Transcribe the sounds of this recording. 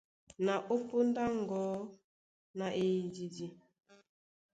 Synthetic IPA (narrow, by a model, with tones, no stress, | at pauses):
na˨ʔo˦po˦n˦da˦ŋ˨ɡɔ˦ | na˨ʔe˨i˨di˨di˦